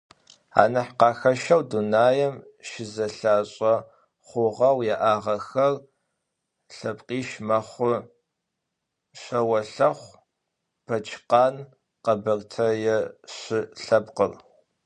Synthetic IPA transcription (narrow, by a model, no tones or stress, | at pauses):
a̰ːnɐħqɑːxɐʃɐwdunaːjɐm | ʃɪzɐɬaːɕʼɐ | χʷʊʁɐwjaʔaːʁɐxɐr | ɬɐbqʼiːʃmɐχʷʊ | ɕʷɐwɐɬɐχʷ | b̥ɐt͡ʃʼqɑːn | qɐbɐrtʰɐjɛɕɪɬɐbqər